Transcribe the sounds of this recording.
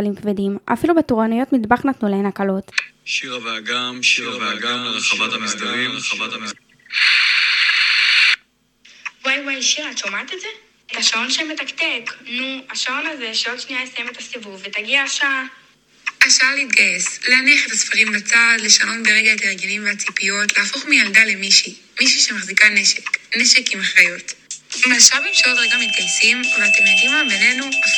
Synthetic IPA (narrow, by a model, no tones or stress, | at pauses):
alimkvedima̰filubet̪uʁanujo̞t̪mid̪baχnat̪nulahenakalo̞t | va | aa | a | wajwajʃiʁat̪ʃomat̪etze | et̪aʃao̞nʃemet̪akt̪eknuaʃao̞naze̞ʃeodʃniajesajemet̪asivuvvet̪aɡiaʃaa | aʃaaleit̪̚ɡajesleaniaχe̞t̪asfaʁimbat͡sadle̞ʃano̞tbeʁeɡaet̪aeʁɡenimveat͡sipijo̞tleafo̞χmijaldale̞miʃi | miʃiʃemaχzikaneʃekneʃe̞kimaχʁajo̞tmaʃabimʃeodʁeɡamit̪̚ɡajsimveat̪emjadimabenenua